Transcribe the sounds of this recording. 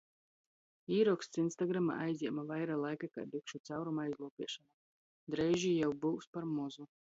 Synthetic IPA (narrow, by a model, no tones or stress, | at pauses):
iːɾɔkst̪sinst̪aɡɾama̰ʔajzʲiɛmavajɾalˠajkaka̰d̪ikʃut̪sawɾumajzlˠuːpʲiɛʃana | d̪ɾɛjʒijawbuwspaɾmɔzu